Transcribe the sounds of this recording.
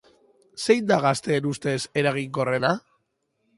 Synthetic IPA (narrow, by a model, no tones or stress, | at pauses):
se̞jnd̪aɣast̪e̞ːnust̪e̞se̞ɾaɣ̞iŋɡo̞re̞na